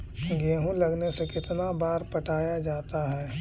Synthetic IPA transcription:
ɡeːɦũlɐɡnesekɪt̪nabaːɾpɐʈʰaːjad͡ʒaːt̪aɦɛː

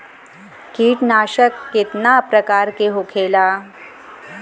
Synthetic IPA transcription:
kiːʈnaɕəkːit̪napɾəkaɾkeɦokʰela

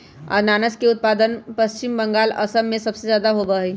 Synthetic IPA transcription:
a̰ːnaːnəskeʊt̪̚paːd̪ənpɐst͡ʃɪmbə̃ŋɡaːlɐ̰səmːẽsɐbsezjaːd̪aɦobəi

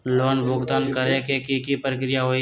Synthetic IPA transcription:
loːnbʱoɡd̪aːnkəɾekekikipɾəkɾɪjaɦoːi

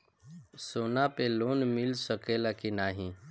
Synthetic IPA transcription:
soːnapelonmilsəkelakinaːɦĩ

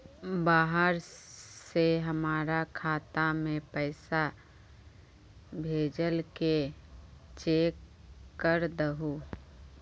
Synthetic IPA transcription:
baːɦəɾseɦəmaːɾakʰaːt̪amẽpɛːɪsa | bʱeːd͡ʒəlke | t͡ʃeːkː | əɾd̪əɦoː

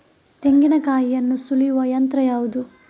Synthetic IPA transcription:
t̪eŋɡinɐkaːjijɐnːusulijuʋɐjɐnt̪ɾɐjaːʋud̪u

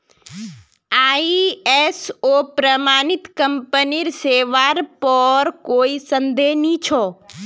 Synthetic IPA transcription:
aːiesoːpɾəmaːnɪt̪kəmpəniɾseːʋaɾpɔːɾkoːisə̃nd̪eɦnit͡ʃʰɔː

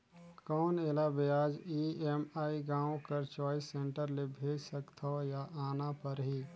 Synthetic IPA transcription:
kɔːneːlabeaːd͡ʒiemaːiɡãːõkəɾt͡ʃɔːisẽɳʈəɾlebʱeːd͡ʒsəkt̪ʰɔjaʔaːnapəɾɦiː

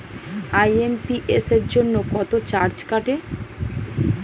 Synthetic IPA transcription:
ajempiʔeseɾd͡ʑonːokɔt̪ot͡ɕaɾd͡ʑkaʈe

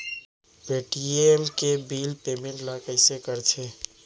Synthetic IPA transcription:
beʈiemkebilpemẽɳʈləkəɪsekəɾt͡ʃʰe

